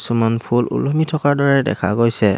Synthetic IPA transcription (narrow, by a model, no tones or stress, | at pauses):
sumɔnpʰulṵlumitʰɔkaɹdɔɹɛdɛ̰kʰa̰ɡojsɛ